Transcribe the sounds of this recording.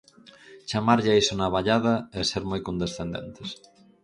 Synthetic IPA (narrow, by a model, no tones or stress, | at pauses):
t͡ʃamaɾʎɪaisonaβaʎaðɐeseɾmojkond̪esθend̪ḛnt̪es